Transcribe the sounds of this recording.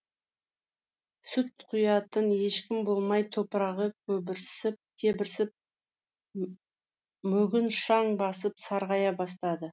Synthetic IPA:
sʏt̪̚qʰʊjɑt̪ənje̞ʃkʲɪmbo̞lˠmɑjt̪ʰo̞pəɾɑʁəkʲʰɵbɪɾsɪp̚k̪ʲʰe̞bɪɾsɪp̚ | mɵɡʲɪnʃɑɴbɑsəpsɑɾʁɑjɑbɑst̪ɑd̪ə

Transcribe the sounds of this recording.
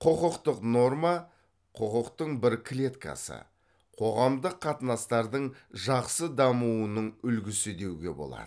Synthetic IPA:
qʰoqəqt̪əqno̞rmɑ | qʰoqəqt̪əɴbɪɾkʲʰlʲe̞t̪kʰa̰sə̰ | qʰo̞ʁɑmd̪əqʰːɑt̪ənɑst̪ɑɾd̪əɴʒɑqsəd̪ɑmuənəɴʏlɡʲɪsɪd̪e̞wɡʲe̞̰bo̞̰lˠɑ̰d̪ə

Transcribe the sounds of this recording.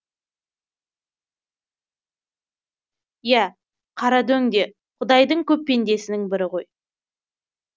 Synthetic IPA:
jæ | qʰɑɾɑd̪ɵŋd̪e̞ | qʰʊd̪ɑjd̪əɴkʲʰɵpːe̞nd̪e̞sɪnɪŋbɪɾɪʁo̞j

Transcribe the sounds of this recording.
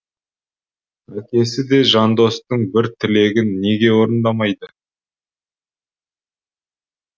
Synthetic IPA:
ækʲe̞sɪd̪e̞ʒɑnd̪o̞st̪əɴbɪɾt̪ʰɪle̞ɡʲɪnːe̞ɡʲe̞wo̞ɾənd̪ɑmɑjd̪ə

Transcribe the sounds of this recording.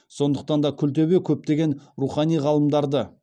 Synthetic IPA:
so̞nd̪əq̚t̪ɑnd̪ɑkʲʰʏlt̪̬e̞βe̞kʲʰɵp̚t̪e̞ɡʲe̞nɾuχɑnijʁɑlˠəmd̪ɑɾd̪ə

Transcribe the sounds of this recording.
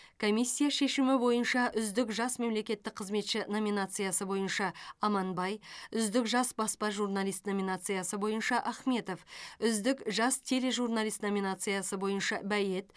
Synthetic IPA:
kʰo̞mijsʲːijaʃe̞ʃɪmɪbo̞jənʃɑʔʏzd̪ɪkʒɑsme̞mle̞kʲe̞t̪ːɪk̚qʰəzme̞t̪ʃɪno̞mʲinat̪sɨjasəbo̞jənʃɑːmɑnbɑjʏzd̪ɪkʒɑsbɑspɑʒurnalˠijst̪no̞mʲinat̪sɨjasəbo̞jənʃɑʔɑχme̞t̪o̞fʏzd̪ɪkʒɑst̪ʰe̞ɾe̞ʒurnalʲijst̪no̞mʲinat̪sɨjasəbo̞jənʃɑbæje̞t̪

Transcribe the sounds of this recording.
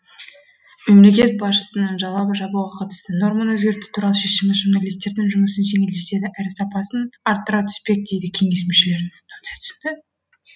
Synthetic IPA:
me̞mle̞kʲe̞t̪̚bɑsʃə̥sənəɴʒɑlˠɑbəʒɑbuʁɑqʰɑt̪ə̥st̪əno̞ɾmənɵzɡʲe̞ɾt̪u̥t̪ʰuɾɑlˠəʃe̞ʃɪmɪzʒuɾnɑlʲijst̪ːe̞ɾd̪ɪŋʒʊməsənʒe̞ŋe̞ld̪ese̞d̪ɪʔæɾɪsɑpɑsənɑɾt̪ːəɾɑt̪ʰʏ̥spe̞k̚d̪e̞jd̪ɪkʲʰe̞ŋe̞s̬meʃɪle̞ɾk̪ʰone̥t̪ʰsnd̪ɪ

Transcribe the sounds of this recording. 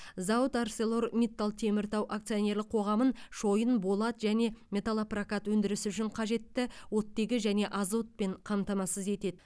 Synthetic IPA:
zɑwət̪arse̞lˠo̞ɾmʲit̪ːalˠt̪ʰe̞mɪɾt̪ɑwʔak̚t̪sijonʲe̞ɾlɪk̚qʰo̞ʁɑmənʃo̞jənbo̞lˠɑt̪ʒæne̞mʲe̞t̪alˠaprakat̪wɵnd̪ɪɾɪsɪʏʃɪɴqʰɑʒe̞t̪ːɪwo̞t̪ːe̞ɡʲɪʒæne̞ʔɑzo̞t̪̚pe̞ɴqʰɑmt̪ɑmɑsəze̞t̪e̞d̪ɪ

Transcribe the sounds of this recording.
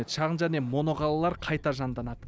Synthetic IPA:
et̪ʃɑʁənʒæne̞mo̞no̞ʁɑlˠɑlˠɑɾqʰɑjt̪ɑʒɑnd̪ɑnɑd̪ə

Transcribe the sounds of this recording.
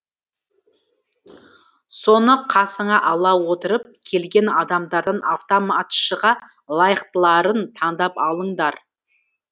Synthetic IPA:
so̞nəqʰɑsəɴɑʔɑlˠɑwot̪əɾəp̚kʲʰe̞lɡʲe̞nɑd̪ɑmd̪ɑɾd̪ɑnaft̪omat̪ʃəʁɑ | lˠɑjəqt̪əlˠɑɾənt̪ʰɑɴd̪ɑpɑlˠəɴd̪ɑɾ

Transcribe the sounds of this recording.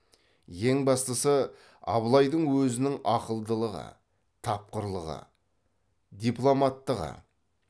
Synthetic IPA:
je̞ŋbɑst̪əsə | ɑ̰βlˠɑjd̪əɴwɵzɪnɪŋɑqəlˠd̪əlˠəʁə̰ | t̪ʰɑp̚qəɾlˠəʁə̰ | d̪ijplˠomɑt̪ːəʁə̰

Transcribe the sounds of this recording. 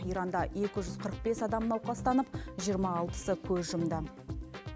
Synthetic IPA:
ijɾɑnd̪ɑe̞kʲɪʒʏzqʰəɾəq̚be̞sɑd̪ɑmnɑwqɑst̪ɑnəpʒijəɾmɑːlˠpə̥səkʲʰɵzʒəmd̪ə

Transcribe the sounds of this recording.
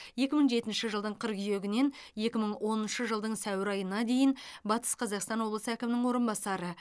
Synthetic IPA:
je̞kʲɪməɴʒe̞t̪ɪnʃɪʒəlˠd̪əɴqʰəɾqʏje̞ɡʲɪne̞nje̞kʲɪməɴwʔo̞nənʃəʒəlˠd̪əɴsæwɪɾɑjənɑd̪e̞jɪnbɑt̪ə̥sqʰɑzɑqst̪ɑnwo̞blˠəsəækʲɪmɪnɪŋwo̞ɾənbɑsɑɾə

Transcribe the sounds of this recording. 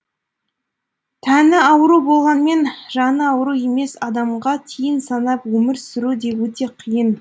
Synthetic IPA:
t̪ʰænɪɑwɾubo̞lˠʁɑnme̞nʒɑnəɑwɾue̞me̞sɑd̪ɑmʁɑt̪ʰijənsɑnɑpwɵmɪɾsʏɾud̪e̞wɵt̪e̞qʰijən

